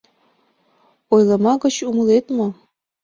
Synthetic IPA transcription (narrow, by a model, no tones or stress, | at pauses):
ojlˠɑmɑɣɤ̆t͡ɕumŭlˠet̪mɤ̆